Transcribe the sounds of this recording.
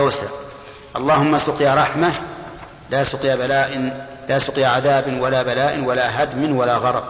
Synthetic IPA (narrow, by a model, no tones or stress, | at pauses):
sa | ʔɑlˤːɑːhʊmːasʊqjaɾˤɑħma | lasʊqjabalaːʔ | lasʊqjaʕaðaːbɪnwalaːbalaːʔɪnwalaɦad̪mɪnwalaɣɑɾˤɑb̚